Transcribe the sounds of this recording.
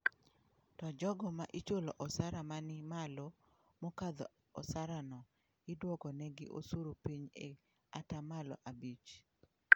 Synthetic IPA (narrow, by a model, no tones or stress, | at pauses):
tɔd͡ʒɔɡɔmaʔɪt͡ʃolɔ̰ʔɔsaɾamanɪmalo | mɔkad̪ɔ̰ | ɔsaɾanɔ | ɪdwɔkɔnɛɡɪʔo̰suɾopiɲḛ | atamalɔ̰ʔabit͡ʃ